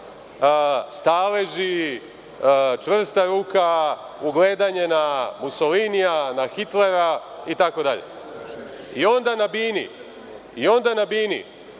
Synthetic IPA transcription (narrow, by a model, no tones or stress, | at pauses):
st̪aːleʒi | t͡ʃʋr̩st̪aɾuːka | uɡle̞ːd̪aɲe̞namusolinijanaxit̪le̞ɾait̪ako̞d̪aʎḛ | io̞nd̪anabiːnḭ | io̞nd̪anabiːnḭ